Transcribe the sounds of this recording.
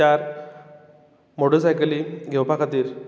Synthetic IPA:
aɾ | moʈəsajkəliɡʱeʋpakʰat̪iːɾ

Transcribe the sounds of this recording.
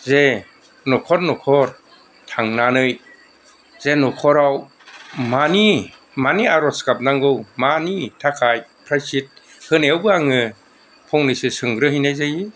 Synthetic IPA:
ze | nɔkʰɔɾnɔkʰɔɾ | tʰaŋnanɯj | zenɔkʰɔɾaw | mani | maniaɾɔskap̚naŋɡɯwmanitʰakʰajpʰɾajsit̚ | hɯnewbɯaŋɯ | pʰɔŋnɯjsɯsɯŋɡɾɯɦijnajzaji

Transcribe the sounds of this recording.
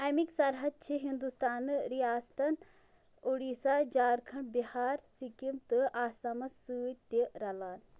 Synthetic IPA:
ɐjmiksɐɾɦɐd̪̚t͡ʃʰiɦind̪ust̪aːnɨɾijaːst̪ɐn | uɽiːsaːd͡ʒaːɾkʰɐɳbihaːɾsikimt̪ɨʔaːsɐmɐsɨːt̪iɾɐlaːn

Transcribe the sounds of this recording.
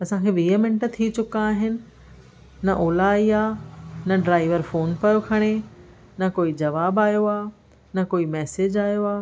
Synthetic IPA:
ɐsãkʰeːʋiːəmɪ̃ɳʈ̆t̪ʰit͡ɕʊkãaːɦɪnɪ̆ | nɐʔoːlaːiaːnɐɖɾaːɪʋəɾfoːnpɐjokʰɐɽ̃e | nɐkoːid͡ʑɐʋaːbaːjoaː | nɐkoːimɛːsed͡ʑaːjoaː

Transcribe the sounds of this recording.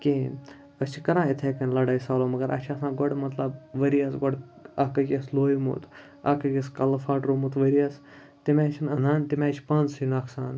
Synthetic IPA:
kẽ | əst͡ʃʰikɐɾãːit̪ʰeːkɐnʲlɐɽɐjsaːloːmɐɡɐɾʔɐ̰t͡ʃʰɐsãːɡɔɽmɐt̪lɐbʋɐɾijɐsɡɔɖ | ɐkɐkʲisloːjmṵt̪ʰ | ɐ̰kɐkʲɐskɐlɐfaːʈɾomut̪ʋɐɾiɐs | t̪imaːt͡ʃʰinɐnaːnt̪imʲaːt͡ʃʰpɐnzsinɐkʰsaːn

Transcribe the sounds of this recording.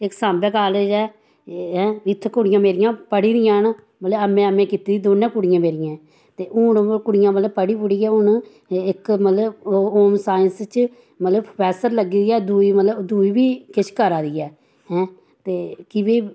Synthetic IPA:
ɪksãːmbɛːkaːleːd͡ʒɛː | ɦɛ̃ːɪt̪ʰːkʊɽɪjãːmeːɾɪjãːpəɽiːd̪ɪjãːn | mət̪ləəmːẽːəmẽːkiːt̪iːd̪iːd̪oːnːãːkʊɽɪjãːmeːɾɪjãː | t̪eːʔʊnkʊɽɪjãːmət̪ləbpəɽiːpʊɽiːɛːʊn | ɪkmət̪ləboːmsaːjənst͡ʃ | mələbpʰɛːsəɾləɡiːd̪iːɛːd̪uːiːmət̪ləbd̪uːiːbiːkɪʃʰkəɾaːd̪iːɛː | ɦɛ̃ː | t̪eːkɪbeː

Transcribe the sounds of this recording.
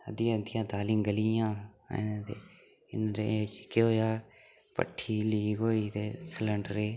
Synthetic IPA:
ə̰d̪ijãːd̪ɪjãːd̪aːlĩŋɡəlijã̰ː | t̪e | ɪ̰nɾet͡ʃkeoːjaː | pə̰ʈʰːiːliːɡoːiːt̪eːsələɳɖɾeː

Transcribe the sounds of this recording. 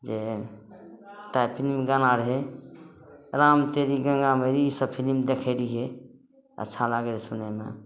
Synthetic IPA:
d͡ʒe | t̪ajpʰilimɡanaɾɦe | ɾamt̪eɾiɡə̃ŋɡaməɾiisəbpʰilimd̪ekʰəɪɾiɦe | ə̰tːʃʰalaɡelsunemḛ

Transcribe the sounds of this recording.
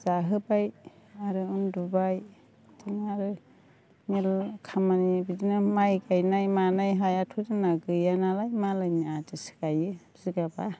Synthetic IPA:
z̥aɦɯbajaɾɯundubaj | tʰɯnaɾɯ | nelkʰamanibidinɯmajɡajnajmanajɦajatʰudɯnaɡɯjanalajmalajniatɯsɯ̥kajɯ | z̥iɡaba

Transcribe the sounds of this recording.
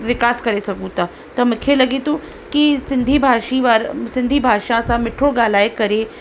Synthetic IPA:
ʋɪkaːskɐɾesɐkũt̪a | t̪ɐmʊkʰːelɐɡit̪ũ | kisɪ̃nd̪ʱibʱaːʃiʋaɾsɪ̃nd̪ʱibʱaːʃãsãmɪʈʰoɡaːlaːjkɐɾe

